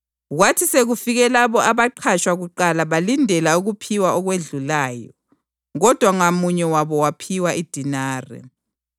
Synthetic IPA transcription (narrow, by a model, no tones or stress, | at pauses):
ɣwatʰiseɣufiɣɛlaβɔʔaβaǃʰat͡ʃwaɣuǃalaβalindʱɛlauɣupʰiwaɔɣweɮulaːjɔ̰ | ɣɔd̥ʱwaŋamuɲɛwaβɔwapʰiwaʔid̥ʱinaːrɛ̰